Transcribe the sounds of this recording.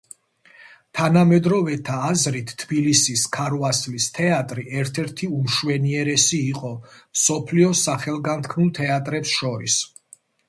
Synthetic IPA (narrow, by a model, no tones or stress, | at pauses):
t̪ʰanamɛd̪ɾɔvɛt̪ʰaːzɾit̪ːʰbilisiskʰaɾuaslist̪ʰɛat̪ʼɾiʔɛɾt̪ʰɛɾt̪ʰiumʃwɛniɛɾɛsiːqʼɔsɔpʰliɔsaχɛlˠɡant̪ʰkʰmnulˠt̪ʰɛat̪ʼɾɛpsʃɔɾis